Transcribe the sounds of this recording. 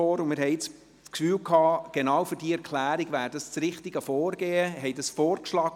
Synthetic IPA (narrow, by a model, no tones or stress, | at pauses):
ɔːɾʊmɪɾɦɛɪt͡s | t͡skfyːlkʰɑːɡ̥enɑːwfʏɾd̥iːɛɾkʰlæːɾiɡvæːɾdɑst͡sɾɪχtiɡəfɔːrɡeːəɦɛjdɑsfɔːɾkʃlɑːɡ